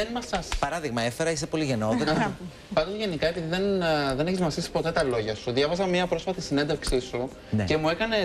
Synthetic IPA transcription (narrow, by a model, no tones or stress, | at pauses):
enmɐsɐspɐɾɐðiɣmɐefe̞ɾɐis̬epo̞liʝe̞noeɐ | pɐnd̪ozʝe̞nikɐe̞piðiðenðe̞neçizmɐsθisi̥po̞t̪e̞t̪ɐlo̞ʝɐsuðʝɐvɐzɐmɲɐpɾo̞sfɐt̪isinnd̪efksisu | nece̞mue̞kɐne